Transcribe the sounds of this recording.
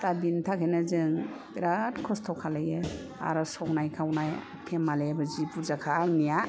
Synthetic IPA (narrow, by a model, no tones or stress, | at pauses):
t̪abintʰakʰenazɯŋbiɾatkʰɔstʰɔkʰalaje | a̰ɾasɔknajkʰawnaj | pʰemːalebɯzipuzakʰaŋnija